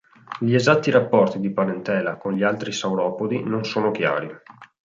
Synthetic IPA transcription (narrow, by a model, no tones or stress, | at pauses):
ʎiezat̪ːiɾapːɔrt̪id̪ipaɾent̪ɛːlakonʎialt̪ɾisawɾɔːpod̪inonsoːnok̟ja̰ːɾi